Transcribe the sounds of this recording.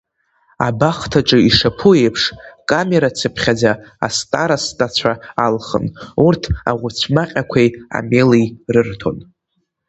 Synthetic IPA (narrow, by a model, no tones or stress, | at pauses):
a̰baχtʰaʈ͡ʂʼɨiʂapʰuejpʰʂkʼame̞ɾat͡sʰɨpʰχʲad͡zaa̰stʼaɾastʼat͡ɕʷʰaalχə̰nurtʰa̰ʁʷʊt͡sʷʰmaqʲʼakʷʰeja̰me̞lirɨrtʰo̞̰n